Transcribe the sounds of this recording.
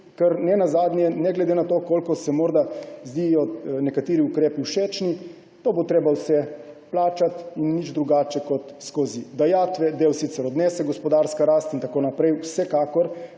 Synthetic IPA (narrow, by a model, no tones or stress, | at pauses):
kɛɾnɛnazaːd̪njɛnɛɡlɛd̪enat̪oːkoːlkɔsɛmɔːɾd̪azd̪ijɔnɛkat̪iːɾiukɾeːpiuʃeːt͡ʃni | t̪oːbot̪ɾeːbawsɛ | plaːt͡ʃat̪inːid͡ʒd̪ɾuɡaːt͡ʃɛkɔt̪skoːzid̪ajat̪ʋɛd̪eːwsiːt̪sɛɾɔd̪nɛːsɛɡɔspɔd̪aːɾskaɾaːst̪int̪akoːnapɾɛjwsɛkaːkɔɾ